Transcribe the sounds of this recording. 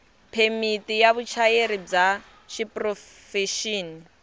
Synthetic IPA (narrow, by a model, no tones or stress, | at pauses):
pʰemitʼijaβut͡ʃʰajeɾib͡ʐa | ʃipʼrɔ | fɛʃiːni